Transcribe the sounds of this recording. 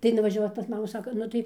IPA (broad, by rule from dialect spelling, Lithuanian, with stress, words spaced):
tɐɪ nʊʋɐʒʲɛˈʋɐʊ pɐs ˈmɑːmuː ˈsɑːkoː ˈnʊ tɐɪ